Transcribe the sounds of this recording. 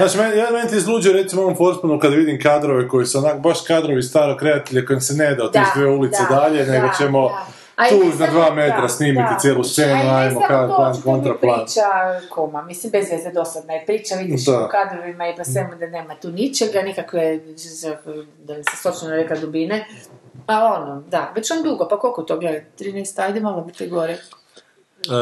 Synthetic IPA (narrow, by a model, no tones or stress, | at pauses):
zaːt͡ʃimenjamenet̪iizlˠuːd͡ʒijoɾet̪simooʋompoɾt̪punokad̪ʋid̪imkaːd̪ɾoʋeko̞jiseonakobaʃkaːd̪ɾoʋist̪aːɾokɾeat̪eʎekojemsened̪aot̪esʋeulit̪ed̪aʎe̞neɡot͡ʃemo̞ | auʒnad̪ʋaːmet̪ɾasniːmit̪it̪jeːlust̪eːnuajmokaankont̪ɾaplˠaakomamislimbezʋezd̪ed̪o̞sad̪naipɾiːt͡ʃaʋid̪it͡ʃd̪aokad̪ɾoʋimaiposʋemud̪aneːmat̪uːnit͡ʃeɡanikakʋeza | d̪alisesot͡ʃanoɾeklad̪ubine | aonod̪aʋet͡ʃond̪uɡopako̞lkot̪oɡledt̪ɾiːnajst̪ajd̪imoɡlˠobit̪eɡoɾe